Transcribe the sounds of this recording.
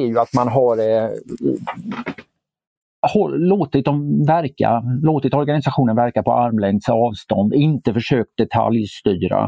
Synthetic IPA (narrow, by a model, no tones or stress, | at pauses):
jɵat̪manɦaɾ | hɔloːt̪ɪt̪̚d̪ɔmvæɾka̰loːt̪ɪt̪ɔɾɡanɪsaɧuːnənvæɾkapɔʔaɾmlɛŋd̪səɑːvst̪ɔ̰nd̪ɪnt̪əfœʂøːk̚t̪̚d̪ɛt̪ʰa̰ljst̪yːɾa̰